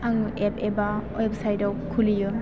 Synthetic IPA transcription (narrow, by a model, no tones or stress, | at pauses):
aŋʔepebaɔjep̚sajdawkʰuliju